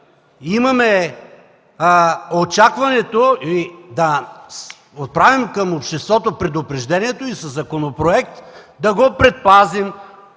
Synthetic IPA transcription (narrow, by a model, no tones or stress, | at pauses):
imɐmɛ | ot͡ʃakvɐnɛt̪oid̪ɐ | ot̪̚pɾavimkɐmopʃt̪ɛst̪vɔt̪opɾɛd̪ʊpɾɛʒd̪ɛniɛt̪oisɐzːɐkonopɾoɛk̚t̪d̪ɐɡopɾɛt̪̚pazim